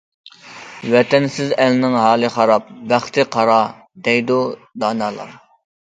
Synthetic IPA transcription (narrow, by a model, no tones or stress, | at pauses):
wɛt̪ʰɛnsɪzælnɪŋɦɑːlˠɨχɑɾɑp̚bæχt̪ʰɪqʰɑɾɑ | d̪ɛjd̪ud̪ɑːnɑːlˠɑ̰